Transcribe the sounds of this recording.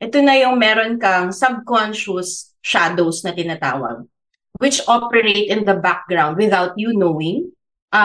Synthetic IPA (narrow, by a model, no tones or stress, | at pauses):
ʔɛt̪onɐjʊŋmɛːɾonkɐŋsɐb̚kɔnʃʊs | ʃad̪owsnɐt̪ɪnɐt̪a̰ːwɐ̰ɡ̚ | wɪt͡ʃʔɔpɛɹejt̪ɪ̃nd̪ɐbak̚ɡɹawnd̪̚wɪðawt̪̚junowɪ̃ŋ | ʔ